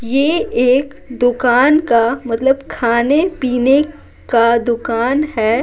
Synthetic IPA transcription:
jeeːk | d̪ʊkaːnkamɐt̪ləbkʰaːnepiːne | kad̪ʊkaːnɦɛː

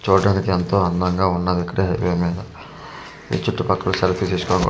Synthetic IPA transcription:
t͡ʃuːɖaːnikient̪o̞ːɐnd̪ɐŋɡaːunːaːd̪ikːɐɽeːɦɐjʋeːmiːd̪ɐ | ḭt͡ʃuʈːupɐkːɐluselpʰisiskoːnkː

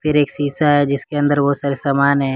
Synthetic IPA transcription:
pʰɪɾeːksiːsaɦɛd͡ʒɪskeɐ̃nd̪əɾʋosɐɾsɐmaːnɦɛ

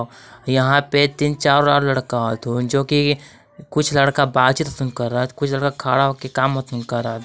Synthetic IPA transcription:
jɐɦãpet̪int͡ʃaːɾlaːɾlɐɽkat̪ʰod͡ʒoːki | kʊt͡ʃʰlɐɽkabaːt̪t͡ʃit̪ɐsɪn̚kɐɾːat̪kʊt͡ʃʰlɐɽkakʰaːɽakekaːmːət̪ɪ̃nkɐɾaːt̪

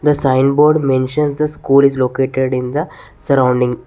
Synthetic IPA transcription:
d̪əsãɪ̃nbɔːɾɖmẽnʃə̃nsd̪ɐskuːlɪzloːkeːʈeɖɪ̃nd̪ə | sɐɾãʊ̃ɳɖɪ̃ŋ

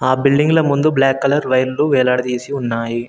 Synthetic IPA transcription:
aːbɪɭɖɪŋɡɪlɐmʊnd̪ɯblaːkːɐlɐɾʋɐjɾluʋeːlaːɽɐðeːsiʊnːaːji

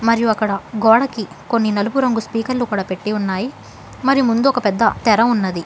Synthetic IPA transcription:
mɐɾijuɐkːɐɽɐɡɔːɽɐki | ko̞nːinɐlupuɾɐŋɡuspiːkɐɾlukuːɽaːpe̞ʈːiunːaːji | mɐɾijumund̪uɔkɐpɛd̪ːɐt̪ɛɾɐunːɐd̪i

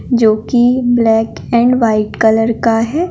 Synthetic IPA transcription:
d͡ʒoːkiblɛːk | ɛ̃ːɳɖʋaːɪʈkələɾkaɦɛː

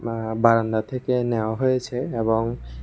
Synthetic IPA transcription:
baɾand̪at̪ʰekeneoaɦojet͡ɕʰeeboŋ

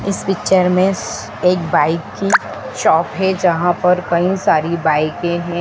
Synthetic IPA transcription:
ɪsfikt͡ʃəɾmẽ | eːkbaːɪkːi | ʃɔːpɦɛd͡ʒɐɦãpɐɾkɐĩsaːɾibaːɪkẽɦɛ̃

